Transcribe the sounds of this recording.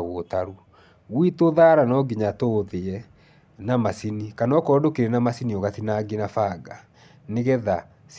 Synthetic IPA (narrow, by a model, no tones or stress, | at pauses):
ɣootaɾu | ɣwitoðaɾanɔɡiɲatoðeɛ | namasinikanɔkɔdokeɾenamasiniɔɣatinaɡinafaɡa | neɣɛða | s